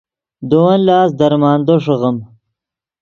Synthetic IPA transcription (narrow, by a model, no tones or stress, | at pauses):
d̪owɐnlɑːsd̪ɐɾmɑːnd̪oʂɐɣəm